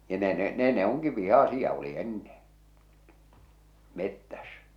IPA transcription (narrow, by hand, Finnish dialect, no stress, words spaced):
jɑ ne ne neˑ ne oŋki ʋihɑˑsiɑ u̞li enːẽː metːæs